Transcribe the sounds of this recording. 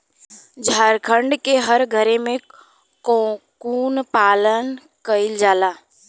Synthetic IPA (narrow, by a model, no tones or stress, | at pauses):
d͡ʒʱaːɾkʰə̃ɳɖkeɦəɾɡʱəɾẽmẽ | kkuːnpaːlən | kəɪld͡ʒaːlaː